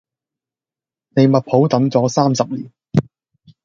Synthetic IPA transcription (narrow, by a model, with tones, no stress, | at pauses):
ne˨˧jmɐ˨t̚pʰo˨˥wt̪ɐ˨˥ŋt͡sɔː˨˥saː˥msɐ˨p̚liː˨˩n